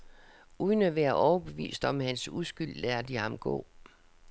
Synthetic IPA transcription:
uðˠnəʋeɐʔɒʊɐb̥e̝ʋḭːsd̥ɒ̽mhænsuðˠsɡ̥yl̰læɐd̥ihɑ̈mɡ̥ɔ̰̽ː

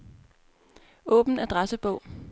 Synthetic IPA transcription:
ɔ̰ːb̥n̩æd̥ʁasəb̥ɔ̽ʊ̰

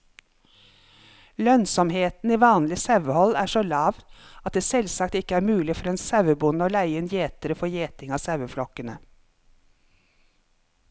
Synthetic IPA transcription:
lœnsɔmheːt̪n̩iːʋɑːnlɪsɑʋəhɔlæːʃoːlɑːʋɑt̪̚d̪eːsɛlsɑkt̪ɪkəæːɾmʉːlɪfɔɾeːnsæʋəbʊnəoːlæɪənjeːt̪əɾəfɔjeːt̪ɪŋɑːsɑʋəflɔkənə

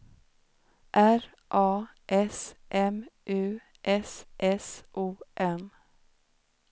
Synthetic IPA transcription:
ʔæɾ | ʔɑː | ʔɛsʔɛmʔʉː | ʔɛsʔɛsʔuːʔɛm

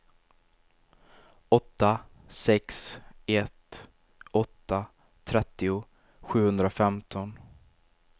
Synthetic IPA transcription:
ɔt̪ːa | sɛksɛt̪ | ɔt̪ːa | t̪ʰɾɛt̪ːɪʊ | ɧʉ̟ːhɵnd̪ɾafɛmt̪ʰɔn

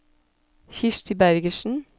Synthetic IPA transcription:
çɪʃʈɪbæɾɡəʃn̩

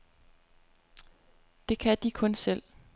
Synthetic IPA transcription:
d̥e̝kʰæd̥ikʰɔ̽nsel̰

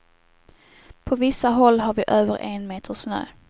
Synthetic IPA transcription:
pʰɔvɪsːaɦɔlːɦaɾvɪʔøːvəɾʔɛnmeːt̪ʰəʂnø̰ː

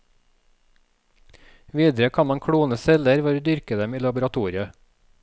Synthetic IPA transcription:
ʋiːd̪ɾəkʰɑːnmɑŋkʰɽuːnəsɛləɾʋɔɾd̪ʏɾkəd̪ɛmiːlɑbʊɾɑt̪ʰuːɾɪə

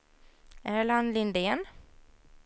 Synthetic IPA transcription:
æːɭanlɪnd̪eːn

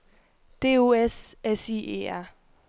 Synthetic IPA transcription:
d̥e̝̰ːo̝esɛsiḛæ

